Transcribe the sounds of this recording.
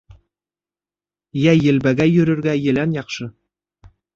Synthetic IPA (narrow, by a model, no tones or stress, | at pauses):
jæjɘ̆lbæɡæjɵ̆ɾɘ̆ɾɡæjɘ̆lænjɑqʃɤ